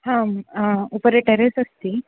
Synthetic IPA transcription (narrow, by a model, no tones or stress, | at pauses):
hãmupəɾeʈeɾesəst̪i